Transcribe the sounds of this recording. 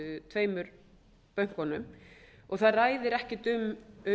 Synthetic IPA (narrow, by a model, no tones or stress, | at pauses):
ʏt̪ʰveːjmʏɾ | pœɥŋ̥kɔnʏmɔɣθaðraːjðɪɾɛhcɪt̪ʏmʏ